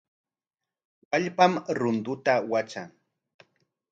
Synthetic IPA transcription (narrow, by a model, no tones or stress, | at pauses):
waʎpamɾʊnd̪ʊt̪awat͡ʃaŋ